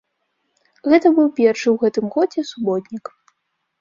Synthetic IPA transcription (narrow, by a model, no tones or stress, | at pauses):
ɣɛt̪ɐbɨwpʲɛrʂɨwɣɛt̪ɨmɣɔd͡zʲɛsubɔt̪ʲnʲik